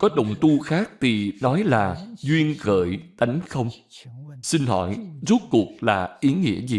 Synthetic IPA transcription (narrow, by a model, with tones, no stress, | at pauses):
kɔ˨˦ɗə̰˨˩wŋ͡mt̪u˧xaː˦˥k̚t̪ʰi˨˩nɔ˨˦jlaː˨˩zwi˧ənɣə̰ː˧˨jt̪a˨˦jŋ̟xə˧wŋ͡m | si˧nɦɔ̰˧˨jzu˦˥t̚ku˨˩ək̚laː˨˩ʔi˨˦ŋḭ˧˥əzi˨˩